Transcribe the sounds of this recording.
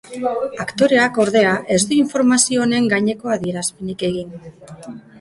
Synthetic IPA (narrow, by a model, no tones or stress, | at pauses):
akt̪o̞ɾe̞ako̞ɾð̞e̞aʔe̞zd̪uiɱfo̞ɾmasio̞ːne̞ŋɡaɲe̞ko̞aðie̞ɾaspe̞nike̞ɣ̞in